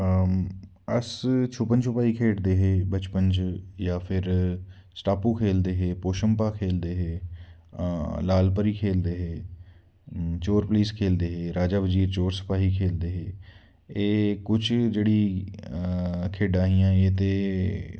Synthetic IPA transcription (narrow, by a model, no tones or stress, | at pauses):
əst͡ʃʰʊpənt͡ʃʊpaːiːkʰeːɽd̪eːɦeːbət͡ʃpənd͡ʒjaːpʰɪɾ | sʈaːpũːkʰeːld̪eːɦeːpoːʃəmpaːkʰeːld̪eːɦeː | laːlpəɾiːkʰeːld̪eːɦeː | t͡ʃoːɾpəliːskʰeːld̪eːɦeːɾaːd͡ʒaːʋəd͡ʒiːɾt͡ʃoːɾsə̥paːɦiːkʰeːld̪eːɦeː | eːkʊt͡ʃʰd͡ʒeːɽiː | kʰeːɖaːɦiːãːeːt̪eː